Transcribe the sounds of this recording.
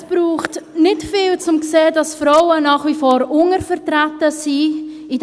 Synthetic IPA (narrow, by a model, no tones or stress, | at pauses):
b̥ɾuːχtnɪtfiːlt͡sʊmkseːdɑsfɾɔwənɑːχvifoːɾʊŋəɾfəɾtɾatəsiː | id